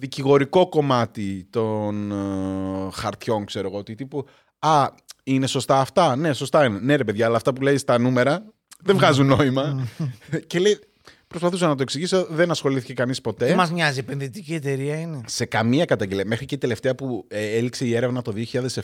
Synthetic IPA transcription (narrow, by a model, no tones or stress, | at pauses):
ðiciɣo̞ɾiko̞ko̞mɐt̪it̪o̞n | xɐɾt̪ço̞ŋkse̞ɾo̞ɣo̞ot̪it̪ipu | ɐ | ine̞so̞st̪ɐːft̪ɐne̞so̞st̪ɐinene̞ɾe̞pe̞ðʝɐːlɐːft̪ɐpule̞ist̪ɐnume̞ɾɐ | ðeɱvɣɐzunːo̞imɐ | ce̞le̞ji | pɾo̞spɐθusɐnɐt̪o̞eksiʝisoðe̞nɐsxo̞liθi̥ce̞kɐnispo̞t̪e̞mɐzmɲɐziepe̞nðit̪icie̞t̪e̞ɾiɐinese̞kɐmiɐkɐt̪ɐɲɟeliɐme̞xɾiceid̪ele̞ft̪e̞ɐpuelikse̞ie̞ɾe̞vnɐt̪o̞ðio̞çiʎɐðe̞sef